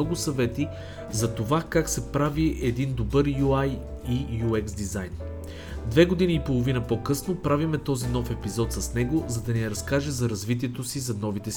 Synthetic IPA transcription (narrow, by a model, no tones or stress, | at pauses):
ɔɡʊsɐvɛt̪i | zɐt̪ovakaksɛpɾaviʔɛd̪ind̪obɤɾjuaj | ijuɛksd̪izajn | d̪vɛɡod̪iniːpolˠovinəpɔkɤsnopɾavimɛt̪ɔzinɔfɛpizɔt̪sɐsnɛɡozɐd̪ɐniɛɾɐskaʒɛzɐɾɐzvit̪̬iɛt̪osizɐnɔvit̪ɛs